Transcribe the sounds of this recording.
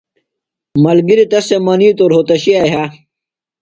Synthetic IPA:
mɐlɡiɾit̪ɐsemɐniːt̪oɾɦot̪ɐɕiaɦa

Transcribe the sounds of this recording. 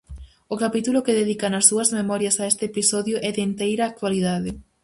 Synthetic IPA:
ʊkapit̪ulʊkeðeðikɐnɐsːuɐzmemɔɾjɐsaɛst̪ɪepisɔðjʊʔɛðɪnt̪ejɾɐːk̚t̪waliðaðɪ

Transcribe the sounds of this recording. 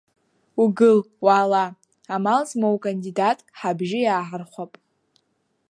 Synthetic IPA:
uɡɨl | waːla | amalzmowkʼandidatʼħabʒɪjaːħarχʷapʼ

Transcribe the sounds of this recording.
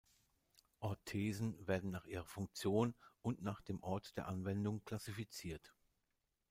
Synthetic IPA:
ʔɔɐtʰːeːzn̩veːɐdn̩naːχʔiːʁɐfʊŋk̚t͡sjoːnʊntnaːχd̥eːmʔɔɐtd̥eːɐʔanvɛndʊŋkl̥asifit͡siːɐt

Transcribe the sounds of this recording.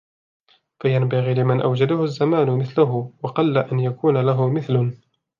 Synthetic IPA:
fajanbaɣiːlɪmanʔawd͡ʒad̪ʊhʊazːamaːnʊmɪθlʊɦʊwɑqɑlːaʔanjakuːnalaɦʊmɪθlʊ

